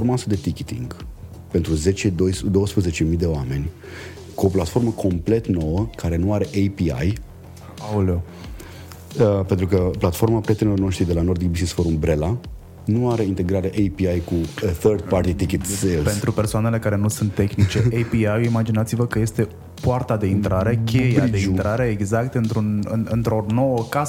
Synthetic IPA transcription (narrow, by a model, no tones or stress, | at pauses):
ormasəd̪e̞t̪ikʲit̪ḭŋɡ | pe̞nt̪ɾuze̞t͡ʃed̪ojsd̪o̞wəspɾəze̞t͡ʃe̞mijd̪e̞oame̞nʲ | kuo̞plat̪fo̞rməkʰo̞mple̞t̪no̞wəkaɾe̞nuaɾe̞ʔejpia̰j | alo | əpe̞nt̪ɾukəplat̪fo̞rmapɾijet̪enilorno̞ʃt̪ɾid̪e̞lano̞rd̪ikbissfoɾumbɾe̞la | nuaɾe̞int̪e̞ɡɾaɾeʔejpiajkuθərd̪̚part̪it̪ikit̪selpe̞nt̪ɾupersoane̞le̞kaɾe̞nusunt̪ːe̞xnit͡ʃe̞ʔejpiajimad͡ʒinat̪sivəkəje̞st̪e̞ | poart̪ad̪e̞int̪ɾaɾe̞kʲʰejad̪eint̪ɾaɾe̞ːɡzakt̪ɨnt̪ɾunɨ̰nɨnt̪ɾo̞no̞wəkas